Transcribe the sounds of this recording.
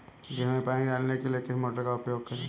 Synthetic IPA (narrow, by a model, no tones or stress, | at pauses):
d͡ʒɪɦmẽpaːnid͡ʒaːnnekeliekɪsimoːʈəɾkaʊpjoːɡ̚kɐɾeː